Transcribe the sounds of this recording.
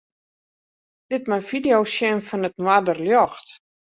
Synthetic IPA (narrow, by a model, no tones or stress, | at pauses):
d̥ɪtmafidejosjɛnfɔnətnwadərljɔxt